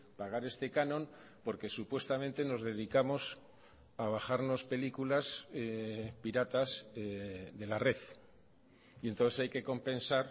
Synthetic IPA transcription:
paɣ̞aɾe̞st̪e̞kanõ̞m | po̞ɾke̞supwe̞st̪amẽ̞nt̪e̞no̞zðe̞ðikamo̞s | aβ̞axaɾno̞spe̞likulas | piɾat̪aseðe̞lare̞θ | ient̪o̞nθesajke̞ko̞mpẽ̞nsaɾ

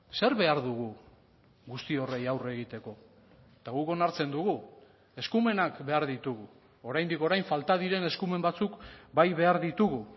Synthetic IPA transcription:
se̞ɾβe̞aɾðuɣu | ɣust̪io̞re̞jawre̞ɣ̞it̪e̞ko̞ | t̪aɣuko̞naɾt͡se̞nd̪uɣu | e̞skume̞nakbe̞aɾðit̪uɣu | o̞ɾajnd̪iko̞ɾajɱfalt̪aðiɾe̞ne̞skume̞mbat͡sukbajβe̞aɾðit̪uɣu

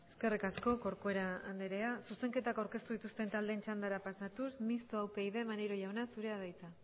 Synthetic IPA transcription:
e̞ske̞rikasko̞ko̞ɾkoe̞ɾaand̪eɾe̞asuse̞ŋke̞t̪akawɾke̞st̪uðit̪ust̪e̞nt̪ald̪e̞nt͡ʃand̪aɾapasat̪usmist̪oawpe̞jðe̞maneɾo̞ʝawnasuɾe̞aðajt͡sa

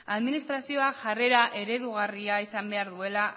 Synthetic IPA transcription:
aðminist̪ɾasio̞aʝare̞ɾaʔe̞ɾe̞ðuɣ̞ariaisambe̞aɾðue̞la

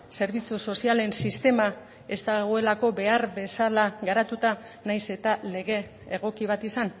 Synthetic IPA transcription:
se̞ɾβ̞it͡suso̞siale̞nsist̪e̞ma | e̞st̪aɣ̞oe̞lako̞be̞aɾbe̞salaɣaɾat̪ut̪a | najse̞t̪ale̞ɣ̞e̞ː | ɣ̞o̞kiβ̞at̪isan

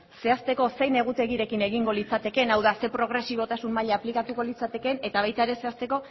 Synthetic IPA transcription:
se̞ast̪e̞ko̞se̞jne̞ɣ̞ut̪e̞ɣiɾe̞kine̞ɣiŋɡo̞lit͡sat̪e̞ke̞nawðase̞pɾo̞ɣ̞ɾe̞siβ̞o̞t̪asummaʎaːplikat̪uko̞lit͡sat̪e̞ke̞ne̞t̪aβ̞ajt̪aeɾe̞se̞ast̪e̞ko̞

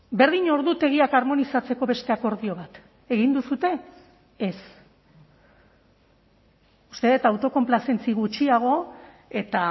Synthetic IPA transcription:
be̞ɾðiɲo̞ɾðut̪e̞ɣ̞iakaɾmo̞nisat͡se̞ko̞βe̞st̪e̞ako̞ɾð̞io̞β̞at̪ | e̞ɣind̪usut̪e̞ | es | u̥st̪e̞ðet̪awt̪o̞ko̞mplase̞nt͡siɣut͡ʃiaɣ̞o̞ | e̞t̪a

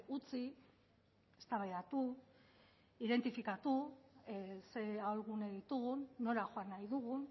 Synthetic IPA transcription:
ut͡si | est̪aβajðat̪u | iðe̞nt̪ifikat̪u | se̞aolɣuneðit̪uɣunːo̞ɾaxoanːajðuɣun

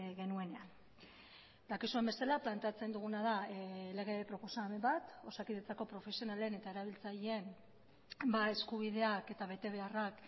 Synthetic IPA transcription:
ɣe̞nue̞ne̞an | d̪akisue̞mbe̞salaplant̪e̞at͡se̞nd̪uɣ̞unað̞ale̞ɣ̞e̞pɾo̞po̞same̞mbat̪o̞sakiðet͡sako̞pɾo̞fe̞sio̞nale̞ne̞t̪ae̞ɾaβ̞ilt͡saʎee̞m | bae̞skuβ̞iðe̞ake̞t̪aβe̞t̪e̞β̞e̞arak

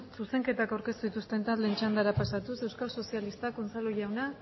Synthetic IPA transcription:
suse̞ŋke̞t̪akawɾke̞st̪uðit̪ust̪e̞nt̪at̪lent͡ʃand̪aɾapasat̪use̞wskalso̞sialist̪akont͡saloʝawna

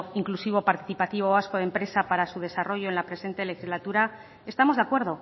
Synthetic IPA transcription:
iŋklusiβ̞o̞paɾt̪iθipat̪iβ̞oaskoðempɾe̞sapaɾasuð̞e̞saro̞ʝo̞enlapɾe̞se̞nt̪e̞le̞xizlat̪uɾa | e̞st̪amo̞zðakwe̞ɾð̞o̞

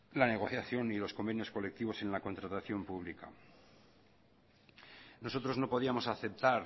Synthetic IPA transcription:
lane̞ɣ̞o̞θjaθjo̞nilo̞sko̞mbe̞njo̞sko̞le̞k̚t̪iβ̞o̞se̞nlako̞nt̪ɾat̪aθjo̞mpuβlika̰ | no̞so̞t̪ɾo̞zno̞po̞ðiamo̞saθe̞p̚t̪aɾ

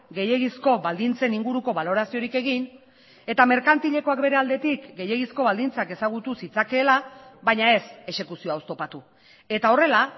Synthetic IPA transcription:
ɡe̞je̞ɣisko̞βald̪int͡se̞niŋɡuɾuko̞βalo̞ɾasio̞ɾike̞ɣin | e̞t̪ame̞ɾkant̪iʎe̞ko̞akbe̞ɾe̞ald̪e̞t̪ikɡe̞je̞ɣisko̞βald̪int͡sake̞saɣ̞ut̪usit͡sake̞ːlaβajɲae̞se̞ʃe̞kusioaost̪o̞pat̪u | e̞t̪ao̞re̞la

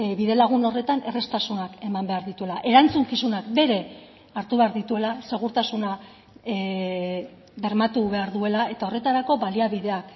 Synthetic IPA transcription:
βiðe̞laɣ̞uno̞re̞t̪anʔe̞re̞st̪asunake̞mambe̞aɾðit̪ue̞laʔe̞ɾant͡suŋkisunak̚be̞ɾe̞ | aɾt̪uβe̞aɾðit̪ue̞lase̞ɣ̞uɾt̪asuna | βe̞ɾmat̪uβe̞aɾðue̞lae̞t̪ao̞re̞t̪aɾako̞βaliaβiðe̞ak

